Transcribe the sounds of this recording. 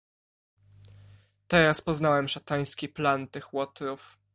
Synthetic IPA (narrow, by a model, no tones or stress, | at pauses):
t̪ɛɾaspɔznawɛmʂat̪aj̃skʲiplant̪ɘxwɔt̪ɾuf